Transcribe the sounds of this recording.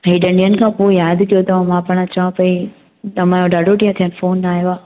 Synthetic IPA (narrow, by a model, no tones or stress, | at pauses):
ɦiːɗɐ̃ɳɖijənɪ̆kʰãːpoejaːd̪t̪ʰijot̪ɐãmãpɐɽ̃at͡ɕɐʋãpɐi | ɐmãjoɖaːɖʱoʈiːãt̪ʰijənɪfoːnːaːɦijoaː